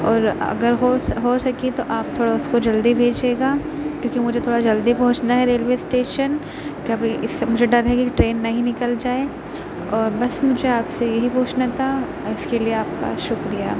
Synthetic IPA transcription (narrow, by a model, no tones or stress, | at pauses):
ɔːɾɐ̰ɡəɾɦoɦoːsɐkit̪oʔaːp̚t̪ʰoːɽaʊskod͡ʒɐld̪ibʱeːd͡ʒeːɡaː | kjõːkimʊd͡ʒʱet̪ʰoːɽad͡ʒɐld̪ipɔ̃ɦʊ̃t͡ʃnaɦɛɾeːlʋeːsʈeːʃən | kaːbiɪsmʊd͡ʒʱeɖɐɾɦɛkiʈɾeːnːɐɦĩnɪkəld͡ʒaːe | ɔːɾbɐsmʊd͡ʒʱeaːpsejɐɦipuːt͡ʃnat̪ʰa | ɪskelieaːp̚ka̰ʃʊkɾija̰ː